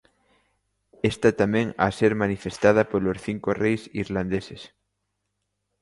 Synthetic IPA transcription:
est̪at̪amẽŋa̰seɾmanifest̪að̞apolosθiŋkorejsiɾland̪eses

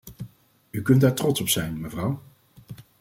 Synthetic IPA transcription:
ykɵntdaːɹtrɔtsɔpsɛjnməvrɑw

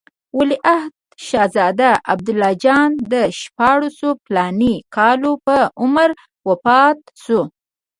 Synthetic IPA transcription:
wʊliʔahd̪̚ʃɑzɑd̪aa̰b̚d̪ʊlːɑd͡ʒɑnd̪əʃpɑɽəsoplɑnikʰɑlopəʊməɾ | wapɑt̪ | so

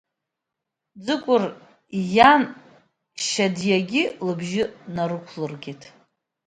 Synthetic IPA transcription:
d͡zɨkʷʼʊr | jan | ʃadjaɡʲɪlɨbʒɪnaɾɨkʷʰlɨrɡʲitʰʼ

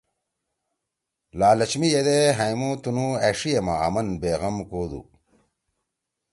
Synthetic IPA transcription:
laːlɐt͡ɕmijed̪eɦɐjmot̪unueʂijɐmaa̰mɐnbeːɣɐmkoːd̪ṵ

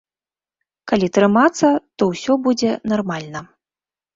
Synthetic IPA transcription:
kalʲit̪ɾɨmat̪sːɐt̪ɔwsʲɔbud͡zʲɛnarmalʲnɐ

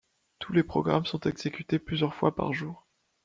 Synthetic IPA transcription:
t̪ʰulepχɔɡʁamsɔ̃t̪ɛɡzekʲyt̪eplyzjœʁfwapa̰ʁʒuːʁ

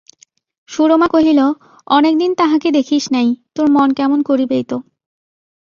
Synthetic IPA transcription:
ʃuɾomakoɦilo | ɔnek̚d̪int̪aɦaked̪ekʰiʃnajt̪oɾmonkɛmonkoɾibejt̪o

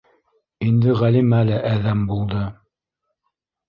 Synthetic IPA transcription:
ind̪ɘʁælimælæʔæðæmbulˠd̪ɤ

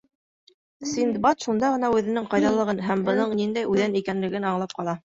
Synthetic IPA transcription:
sind̪bɑt̪ʃund̪ɑʁɤ̆nɑʉðɘ̆nɘɴqɑjðɑlˠɤ̆ʁɤnɦæmbɤ̆nɤɴnind̪æjʉðænikænlɘ̆ɡɘnɑɴlˠɑp̚qɑlˠɑ

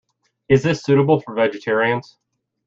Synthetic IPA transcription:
ɨzðɪsʉɾəbl̩ˠfə˞vɛd͡ʒɨtʰɛɹiɨ̃nz̥

